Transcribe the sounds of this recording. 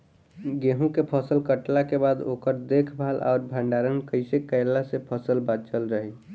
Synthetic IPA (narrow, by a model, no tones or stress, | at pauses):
ɡeɦũkepʰəsəlkəʈlakebaːd̪o̰ːkəɾd̪ekʰbʱalʔɔ̰ːɾbʱəɳɖaɾənkəɪsekəɪlasepʰəsəlbat͡ʃəlɾəɦi